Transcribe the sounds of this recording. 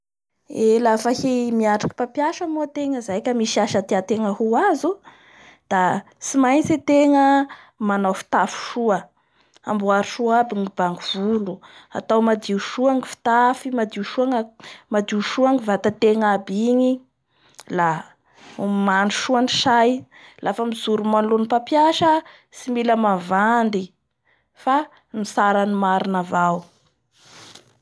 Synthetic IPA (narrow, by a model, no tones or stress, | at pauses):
elafahimiaʈ͡ʂḁki̥papjaʃəmot̪eŋəzajkʲəmiʃiaʃət̪eat̪eŋəhuazu | d̪̥a | simajt͡set̪eŋə | manawfi̥t̪afu̥ʃuə | a̰mbuaɾiʃuabiŋib̥aŋuv̥ulua̰t̪awmad̪iuʃuaŋifi̥t̪afimad̪iuʃuaŋmad̪iuʃuaŋivat̪at̪eŋabiɲi | la | manuʃuaniʃaj | lʔafəmizuɾumanlunipapjaʃə | similəmavand̪i | fa | nisaɾanimaɾinavaw